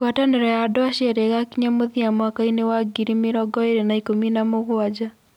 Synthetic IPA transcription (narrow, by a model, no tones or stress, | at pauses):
kwatanɛɾɔjadoaʃɛɾeɣakiɲamoðiamakainewaɡiɾimeɾɔɡɔeɾenaikominamoɣwad͡ʒa